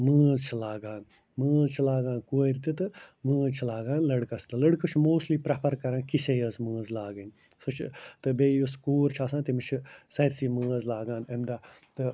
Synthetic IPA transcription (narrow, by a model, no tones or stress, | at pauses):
məːzt͡ʃʰilaːɡaːn | məːzt͡ʃʰilaːɡãːnkuːɾʲt̪it̪ɨməːzt͡ʃʰilaːɡãːnlɐɽkɐst̪ɨlɐɽkɨt͡ʃʰmoːstliːpɾapɐɾkɐɾãːnkisejɐsmə̃ːzlaːɡɐnʲ | sut͡ʃʰt̪ɨbeːjuskuːɾt͡ʃʰaːsãːt̪imit͡ʃʰisɐɾʲsiːməːzlaːɡaːnemd̪aː | t̪ɨ